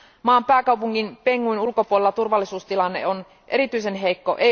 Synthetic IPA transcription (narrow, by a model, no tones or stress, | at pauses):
mɑːmpæːkɑwpuŋkinpeŋːuinulkopuolelːɑt̪urʋɑlːisuːst̪ilɑnːe̞̰on | ʔe̞ɾit̪yise̞nɦe̞jkːo̞̰ʔe